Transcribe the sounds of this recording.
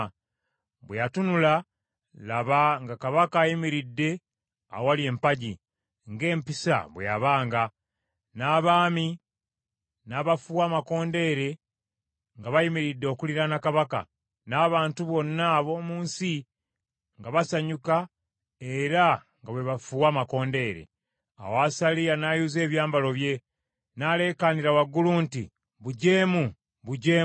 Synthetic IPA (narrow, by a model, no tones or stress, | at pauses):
βwejatunula | laβaŋɡakaβakaːjimiɾidːe̞ | a̰owalie̞ːmpaɟi | ŋɡe̞ːmpisa̰βwḛjaβaːŋɡa | naːβaːmi | naːβafuwaːmako̞ːnde̞ːɾe̞ | ŋɡaβajimiɾidːoːkuliɾanakaβaka̰ | naːβaːntuβo̞nːaβo̞ːmuːnsi | ŋɡaβasaɲuka | e̞ɾa | ŋɡaβweβafuwaːmako̞ːnde̞ːɾḛ | a̰wasalijanajuze̞ːβjaːmbalo̞βje̞ | nale̞ːkaniɾawaɡːuluːntḭ | βuɟe̞ːmu | βuɟeː